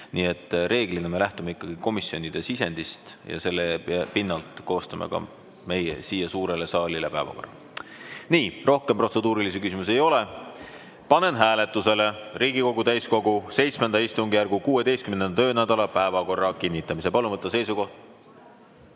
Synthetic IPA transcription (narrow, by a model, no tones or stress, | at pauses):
niːe̞t̪ːre̞ːɡ̥lineme̞læht̪umeikːɑɡ̥iko̞misjo̞nʲid̪̥e̞sise̞nd̪̥ist̪jɑ̰se̞lːepinːɑlt̪ko̞ːst̪ɑmḛkɑ̰ | me̞jḛsiːjɑsuːɾe̞le̞sɑːlile̞pæevɑ̰ko̞rːɑ̰ | niːro̞hkempro̞t̪se̞d̪uːɾilisekysimus̬e̞jo̞le̞ | pɑne̞nɦæːle̞t̪ːˑuse̞le̞riːɡiko̞ɡ̥ut̪æjsko̞ɡ̥use̞jt̪smend̪ɑist̪uŋɡijærɡ̥ukuːe̞d̪e̞jst̪kymnent̪ø̞ːnæd̪̥ɑlɑpæevɑko̞rːɑkinʲːit̪ːˑɑmisepɑlumɤt̪ˑːɑse̞jsuko̞ht̪